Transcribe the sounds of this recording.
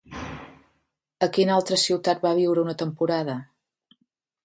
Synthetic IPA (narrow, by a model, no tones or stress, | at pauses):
əkinalˠt̪ɾəsiwt̪at̪̚baβ̞iwɾəunət̪əmpuɾað̞ə